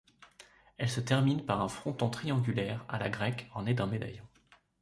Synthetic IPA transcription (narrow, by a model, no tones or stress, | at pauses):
ɛlsət̪ɛʁminpaʁɛ̃fχɔ̃t̪ɔ̃t̪χiɑ̃ɡʲylɛʁa̰la̰ɡʁɛkɔ̃ned̪ɛ̃med̪a̰jɔ̃